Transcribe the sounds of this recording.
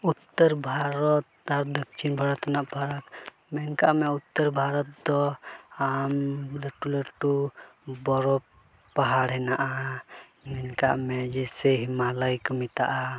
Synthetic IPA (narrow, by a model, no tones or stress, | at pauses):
ut̪ːəɾbʱaɾɔt̪aɾd̪ək̚t͡ʃʰinbʱaɾɔt̪anaʔbʱaɾak | mɛnkaʔmɛut̪ːəɾbʱaɾɔt̪̚d̪ɔamleʈuleʈubɔɾɔ | paɦaɽɦɛnaʔa | mɛnkaʔmɛd͡ʒɛsɛɦimaləjkəmit̪aʔa